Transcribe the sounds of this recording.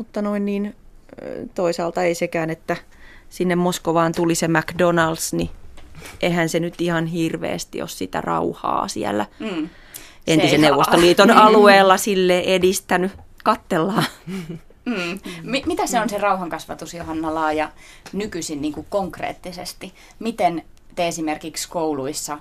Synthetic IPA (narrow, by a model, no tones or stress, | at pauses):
mut̪ːɑnoinniːn | t̪oisɑːlt̪ɑeisekæːnet̪ːæsinːemmoskoʋɑːnt̪ulisemækdonɑldsni | ʔehænsenyt̪ihɑnhirʋḛːst̪ḭo̰ssit̪æ̰rɑ̰uhɑ̰ːsḭæ̰lːæ | enisenneuʋːˑost̪oliːt̪onɑlueːlːɑsilːeʔedist̪ænykɑt̪ːelːɑː | mimit̪æseonserɑuhɑŋkɑsʋɑ̰t̪usjohɑnːɑlɑːjɑ | nykysinniːŋkukkoŋkrḛːt̪ːisḛst̪i | mit̪en | t̪eesimerkikskouluisːɑ